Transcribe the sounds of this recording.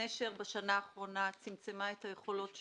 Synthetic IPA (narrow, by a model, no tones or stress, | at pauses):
eʃeʁbeʃanaːχʁo̞nat͡simt͡semaethaje̞χo̞lo̞tʃ